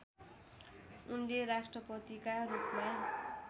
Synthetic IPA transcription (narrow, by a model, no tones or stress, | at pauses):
unleɾasʈrʌpʌt̪ikaɾukma